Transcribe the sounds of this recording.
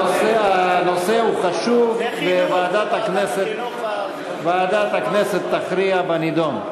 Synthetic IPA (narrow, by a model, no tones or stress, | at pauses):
sano̞seuχaʃuvvevaːd̪at̪akneset̪ | vaːd̪at̪hakneset̪ːaχɾiabanid̪on